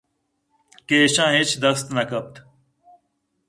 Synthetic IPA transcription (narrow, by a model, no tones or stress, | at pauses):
keːɕãːɦit͡ʃd̪ɐst̪nɐkɐp̚t̪ʰ